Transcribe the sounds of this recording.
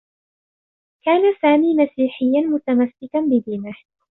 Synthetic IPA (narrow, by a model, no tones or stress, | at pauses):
kaːnasaːmiːmasiːħɪjːanmʊt̪amasːɪkanbɪd̪iːmah